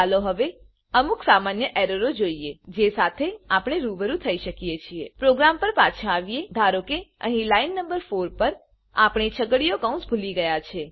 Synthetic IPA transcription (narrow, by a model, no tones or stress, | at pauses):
aloɦəʋe | əmuksamanjəʔeɾəɾod͡ʒoied͡ʒesat̪ʰeapɽ̃eɾuʋəɾũt̪ʰəiʃəkijet͡ʃʰiepɾoɡɾampəɾpat͡ʃʰãaʋied̪ʱaɾokeə̰ɦĩlainːəmbəɾfoɾpəɾ | a̰pɳ̃et͡ʃʰəɡəɽijokə̃ũsbʱuliɡəjat͡ʃʰe